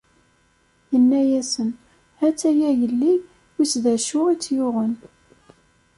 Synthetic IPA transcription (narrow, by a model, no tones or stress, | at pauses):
jənːæjæsən | hæt͡sːæjæjəlːi | wit͡sːðæʃʊʁit͡sːjʊʁən